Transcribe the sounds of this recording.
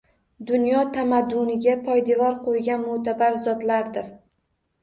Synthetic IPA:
d̪ʊnjɒt̪ʰamad̪ʊnɪɡʲapʰɒjd̪evɒɾqʰojɡʲanmot̪ʰabaɾzɒd̪laɾd̪ɪɾ

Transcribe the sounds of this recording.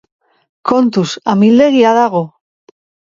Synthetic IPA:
kont̪usamild̪eɣiaðaɣ̞o

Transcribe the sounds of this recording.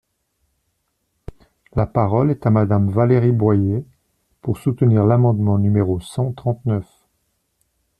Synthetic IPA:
lapaʁɔlɛt̪amad̪amvaleʁibwaje | puʁsut̪əniʁlamɑ̃d̪mɑ̃nymeʁosɑ̃t̪χɑ̃t̪nœf

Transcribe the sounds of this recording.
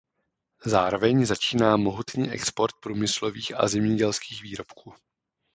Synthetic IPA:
zaːɾo̞vɛɲzat͡ʃiːnaːmo̞ɦut̪niːʔɛ̰kspo̞ɾt̪̚pɾuːmɪslo̞viːxʔa̰zɛmɲɛɟɛlskiːxviːɾo̞pkʰuː

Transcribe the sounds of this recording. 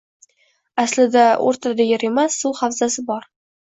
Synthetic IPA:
aslɪd̪ao̰ɾt̪ʰad̪ajɪɾemasːulˠχawzasɪbɒɾ

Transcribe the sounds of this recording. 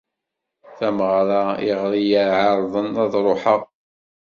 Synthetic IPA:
θæməʁɾˤɑɪʁɾijəɾʕɑɾˤðˤənæðˤɾˤoħə

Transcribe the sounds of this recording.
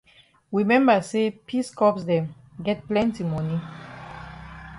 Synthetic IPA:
ɹimɛ̃mbasepʰiskɔpsdɛ̃m | ɡɛt̚plɛ̃ntimɔni

